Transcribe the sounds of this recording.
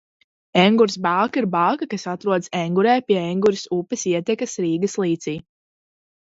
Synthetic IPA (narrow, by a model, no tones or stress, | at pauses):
ɛŋɡuɾsbaːkiɾbaːkakasat̪ɾuɔd̪sɛŋɡuɾɛːpʲiɛɛŋɡuɾisupːɛsiɛt̪ɛkɐsɾiːɡɐslˠiːt̪siː